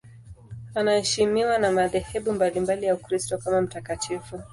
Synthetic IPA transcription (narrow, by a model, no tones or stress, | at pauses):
anahɛʃimiwanamaðɛhɛɓumbalimbalijaukɾistɔkamam̩takatʰifu